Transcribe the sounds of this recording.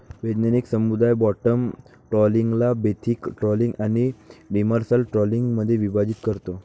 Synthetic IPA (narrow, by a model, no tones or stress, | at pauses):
ʋed͡ʒnaniksəmud̪ajbɔʈəm | ʈɾɔliŋɡlabet̪ʰikʈɾɔlĩŋɡañiɖiməɾsəlʈɾɔliŋɡməd̪ʱːjeʋibad͡ʑit̪kəɾt̪o